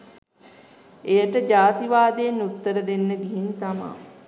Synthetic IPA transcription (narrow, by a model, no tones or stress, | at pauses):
ejəʈəd͡ʒaːt̪iʋaːd̪eenːut̪ːəɾəd̪enːəɡiɦint̪ama̰